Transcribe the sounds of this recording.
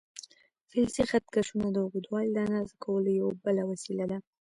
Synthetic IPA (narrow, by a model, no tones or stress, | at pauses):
fɪlsixat̪̚kaʃunad̪əɣud̪wɑllanɑzakʰawəlojawabəlawasilad̪a